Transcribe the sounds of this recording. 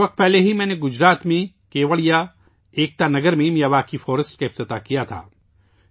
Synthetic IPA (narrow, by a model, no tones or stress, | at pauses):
ʋɐq̚t̪̚pɛɦleɦimɛ̃ːneɡʊd͡ʒɾaːt̪mẽ | keːʋəɭija | eːk̚t̪anɐɡəɾmẽmijaʋaːkifɔːɾəsʈkaɪft̪ɪt̪akijat̪ʰa̰ː